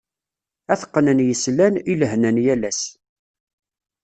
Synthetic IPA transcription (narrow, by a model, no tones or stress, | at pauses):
æθqːnənjəslæniləɦnænjælæs